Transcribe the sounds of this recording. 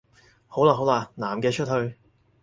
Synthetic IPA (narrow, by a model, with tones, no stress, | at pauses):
ho˨˥wlaː˧ɦo˨˥wlaː˧naː˨˩mkɛː˧t͡ʃʰɵ˥t̚hɵ˧ɥ